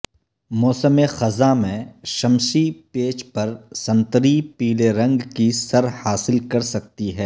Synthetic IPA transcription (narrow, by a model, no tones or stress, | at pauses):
mɔːsəmexɐzamẽʃɐmʃipeːt͡ʃpɐɾsɐ̃nt̪əɾipiːleɾɐ̃ŋɡkisɐɾhaːsɪlkɐɾsɐk̚t̪iɦɛː